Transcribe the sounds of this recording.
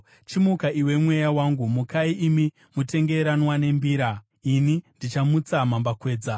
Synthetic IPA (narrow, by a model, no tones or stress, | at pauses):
t͡ʃimukaiwe̞mwe̞jawaŋɡumukaiʔimi | mute̞ŋɡe̞ɾanwane̞mbiːɾa | inindit͡ʃamut͡samambakwe̞ːd͡za